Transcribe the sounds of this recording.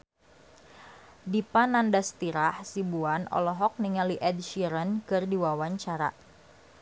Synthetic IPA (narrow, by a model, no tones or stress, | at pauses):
dipanandast̪iɾahsibuanɔ̰lɔɦɔk̚niŋaliʔɛdʃiɾənkɨrdiwawaɲt͡ʃaɾa̰